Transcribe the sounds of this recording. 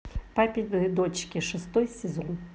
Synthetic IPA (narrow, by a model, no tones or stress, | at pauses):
papʲɪd̪ɨd̪ot͡ɕkʲɪʂɨst̪ɔjsʲɪzɔn